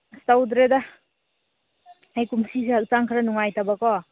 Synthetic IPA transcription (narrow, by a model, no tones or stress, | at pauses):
stawdɾeda | hajkumsiseak̚t͡ʃaŋkʰɾanuŋajtabakɔ